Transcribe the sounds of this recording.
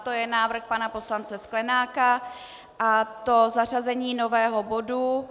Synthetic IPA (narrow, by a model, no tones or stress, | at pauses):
t̪ojɛnaːvr̩xpanapo̞slant͡sɛsklɛnaːka | ʔat̪ozar̝azɛɲiːno̞vɛːɦobo̞du